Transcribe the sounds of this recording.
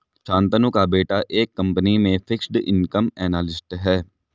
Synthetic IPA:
t͡ʃʰãːnt̪ənukaːbeːʈaːʔeːkːəmpənimẽːpʰɪksɖɪ̰nkəmɛːnaːlɪsʈɦɛː

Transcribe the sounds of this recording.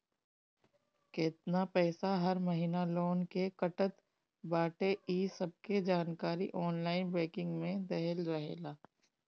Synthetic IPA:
kɪt̪napɛːsaɦɐɾmɐɦiːnaloːnkekɐʈət̪ | baːʈeiːsɐb̚ked͡ʒaːnkaːɾiʔɔːnlaːɪnbɛːkɪ̃ŋɡmẽd̪ɛɦəlɾɐɦḛːɡaː

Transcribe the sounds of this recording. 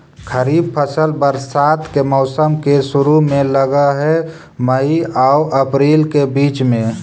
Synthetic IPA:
kʰəɾiːb̚pʰəsəlbəɾsaːt̪ʰkemɔːsəmkeʃʊɾumẽləɡaɦɛ | məiaʊʔəpɾeːlkebiːt͡ʃmẽ

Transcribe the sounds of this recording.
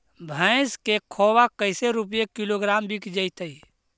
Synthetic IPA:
bʱə̃ɪskekʰoːwakəɪseɾup̬jekiloɡɾaːmbʱikd͡ʒəɪt̪əi

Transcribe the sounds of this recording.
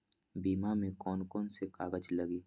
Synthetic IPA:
biːmamẽkɔːnkɔːnsekaːɡəd͡ʒləɡiː

